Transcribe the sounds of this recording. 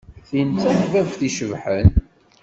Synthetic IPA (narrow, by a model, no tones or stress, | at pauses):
θint͡sːænvævθiʃəvħən